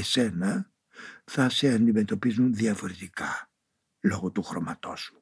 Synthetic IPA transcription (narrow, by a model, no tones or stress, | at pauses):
ese̞nɐ | θɐseɐnd̪ime̞t̪o̞pizunðiɐfo̞ɾe̞t̪ikɐ | lo̞ɣot̪uxɾo̞mɐt̪o̞̰su